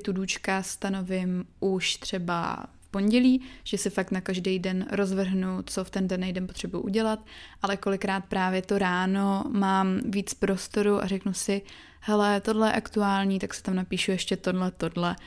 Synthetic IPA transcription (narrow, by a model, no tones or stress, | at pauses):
t̪uduːt͡ʃkast̪ano̞vɪmʔuʃt̪r̝̥ɛba̰fpo̞ɲɟɛliːʒ̥ɛsɪfak̚t̪nakaʒdejdɛnɾo̞zvr̩ɦnut͡so̞ft̪ɛndɛnɛjdɛnpot̪r̝̥ɛbujṵʔuɟɛlat̪ʔalɛko̞lɪkɾaːt̪̚pɾaːvjɛt̪o̞ɾaːno̞maːmviːt͡spɾo̞st̪o̞ɾuʔa̰rɛknusɪ | hɛlɛt̪o̞dlɛjɛ̰ʔakt̪uaːlɲiːt̪aksɛ̥t̪amnapiːʃujɛʃcɛt̪o̞dlɛt̪o̞dlɛ